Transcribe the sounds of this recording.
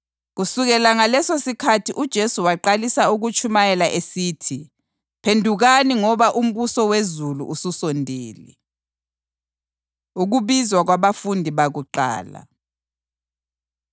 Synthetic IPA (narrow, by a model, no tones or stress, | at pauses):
ɣusuɣɛlaŋalɛsosikʰatʰiʔud̥ʒ̥ʱesuwaǃalisauɣut͡ʃʰʼumajɛlaʔesiːtʰi | pʰendʱuɣaniŋɔβaʔum̩βusɔwezulṵʔususɔndʱeːlḭ | uɣuβizwaɣwaβafundʱiβaɣuǃa̰ːla̰